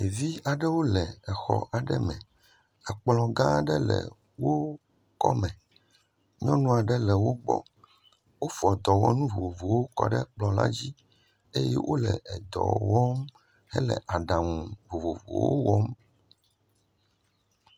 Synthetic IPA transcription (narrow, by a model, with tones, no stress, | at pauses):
e˨vi˦a˨ɖɛ˦wo˦lɛ˨ɛ˨xɔ˨ʔa˨ɖɛ˦mɛ̃˨ | ɛ˨k͡plɔ̃˨ɡã˦ɖɛ˦lɛ̰˨ | wo˦ | kɔ˦mɛ̃˨ | ɲɔ̃˦nɔ̃˦a˨ɖɛ˦lɛ˨wo˦bɔ̰˨ | wo˦fɔ˨d̪ɔ˨wɔ˦nũ˦vo˨vo˨wo˦kɔ˨ɖɛ˦k͡plɔ˨la̰˦d͡ʑi˦ | e˦jɛ̰˦wʔo˦lɛ˨ʔɛ˨d̪ɔ˨wɔ˦m | hɛ˦lɛ̰˨ʔa˨ɖã˨ŋũ˨vo˨vo˨vo̰˨wo̰˦wɔ˦m